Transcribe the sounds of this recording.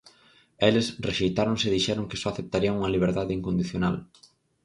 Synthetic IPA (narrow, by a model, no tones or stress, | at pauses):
elesreʃejt̪aɾõŋseðiʃɛɾoŋkɪ̥sɔaθep̚t̪aɾiɐŋuŋɐliβ̞eɾðaðɪiŋkõnd̪iθjona̰l